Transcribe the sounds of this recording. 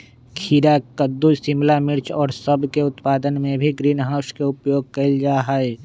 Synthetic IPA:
kʰiːɾakəd̪ːusɪmlamɪɾt͡ʃɔːɾsɐbkeʊt̪paːd̪ənmẽbʱiɡɾiːnɦaːʊskeʊpjoːɡ̚kɐild͡ʒaːɦaɛ

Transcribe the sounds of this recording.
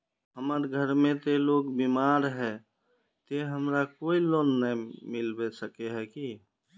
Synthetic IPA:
ɦəməɾɡʱəɾmẽt̪eloːɡbimaɾɦɛ | t̪eɦəmɾakoːiloːnːəmɪlbesəkeɦɛki

